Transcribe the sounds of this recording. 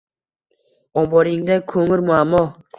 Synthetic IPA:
ɔmbɔɾiŋd̪akʰɵmɪɾmʊamːɔ

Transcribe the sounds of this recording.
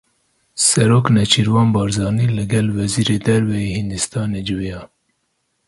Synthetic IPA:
sɛɾoːknɛt͡ʃʰiɾwɑːnbɑːɾzɑːniːlɨɡɛlwɛziːɾeːd̪ɛɾvɛjeːhind̪ɨst̪ɑːned͡ʒɨwijɑː

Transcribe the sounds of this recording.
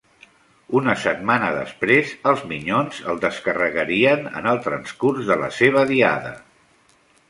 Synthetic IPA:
unəsət̪manəðə̰spɾezəlˠzmiɲonzəlˠd̪əskərəɣəɾiənə̰nəlˠt̪ɾənskurzðələ̰seβ̞əðia̰ðə

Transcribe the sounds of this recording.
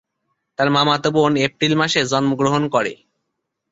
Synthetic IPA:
t̪aɾmamat̪obonepɾilmaʃed͡ʑɔnmoɡɾoɦonkɔɾḛ

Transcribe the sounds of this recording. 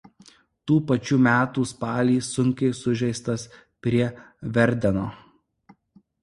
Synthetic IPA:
t̪uːpɐt͡ʃʲuːmʲæːt̪uːspɑːlʲiːsʊŋʲkʲɛɪsʊʒʲɛɪst̪ɐs | pʲɾʲiɛ | ʋʲɛɾʲd̪ʲɛnoː

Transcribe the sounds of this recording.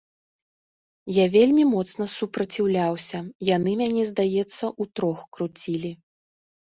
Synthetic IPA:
javʲelʲmʲimɔt̪snɐsupɾɐt͡sʲiwlʲawsʲɐjanɨmʲanʲɛzd̪ajɛt̪sːɐʔut̪ɾɔxkɾut͡sʲilʲi

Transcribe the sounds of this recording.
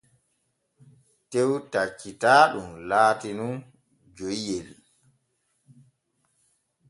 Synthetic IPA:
tewtat͡ʃːitaːɗumlaːtinun | d͡ʒojjel

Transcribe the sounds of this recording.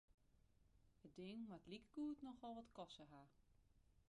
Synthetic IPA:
ət̚dɪŋmatlikəɡuːtnɔxʋɔlˠʋɔtkɔsəɦa

